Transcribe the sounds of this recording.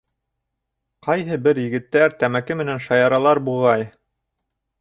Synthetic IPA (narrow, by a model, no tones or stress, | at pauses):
qɑjɦɤbɘɾjɘ̆ɡɘ̆t̪ːæɾt̪æmækɘmɘ̆nænʃɑjɑɾɑlˠɑɾbulˠʁɑj